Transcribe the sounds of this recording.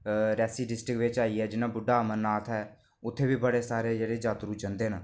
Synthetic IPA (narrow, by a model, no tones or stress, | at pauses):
ɾɛːsiːɖɪsʈɾɪkʋɪt͡ʃaːiːɛːd͡ʒɪnaːbʊɖaːmənːaːt̪ʰɦɛː | ʊt̪ʰːeːbiːbəɽeːsaːɾeːd͡ʒeːɽeːd͡ʒaːt̪ɾuːd͡ʒənd̪eːnə